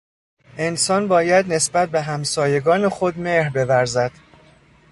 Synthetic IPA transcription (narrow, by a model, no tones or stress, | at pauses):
e̞nsɒːnbɒːjæd̪ne̞sbæt̪̚ʰbe̞ɦæmsɒːje̞ɡɒːne̞xod̪meɾbe̞væɾzæd̪̥